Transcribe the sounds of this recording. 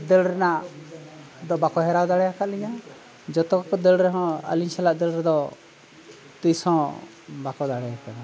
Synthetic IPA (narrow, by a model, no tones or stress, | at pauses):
d̪ɛlɾɛnaʔ | d̪ɔbakɔɦɛɾawd̪aɽɛjakaʔ̪liɲa | d͡ʒɔt̪ɔkɔkɔd̪ɛlɾɛɦɔ̃a̰liɲt͡ʃʰalaʔd̪ɛlɾɛd̪ɔ | t̪usɔ̃ | bakɔd̪aɽɛjakana